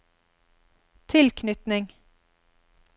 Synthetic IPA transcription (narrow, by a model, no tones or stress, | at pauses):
t̪ʰɪlkʰnʏt̪nɪŋ